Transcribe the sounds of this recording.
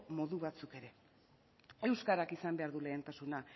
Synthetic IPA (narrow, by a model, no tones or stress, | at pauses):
mo̞ðuβat͡suke̞ɾe̞ | e̞wskaɾakisambe̞aɾðule̞ːnt̪asuna